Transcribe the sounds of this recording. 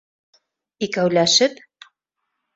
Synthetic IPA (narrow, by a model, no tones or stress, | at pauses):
ikæwlæʃɘp